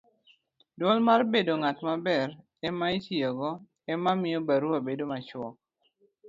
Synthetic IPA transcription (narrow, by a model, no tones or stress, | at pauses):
dɔlmarbedoŋatmabɛr | ɛmaitjeɡɔ | ɛmamɪjobaɾupabedomat͡ʃwɔk̚